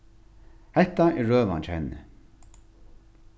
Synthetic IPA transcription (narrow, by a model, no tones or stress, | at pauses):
hɛht̪aʔɛɹøːʋa̰nt͡ʃʰɛ̰nːɪ̰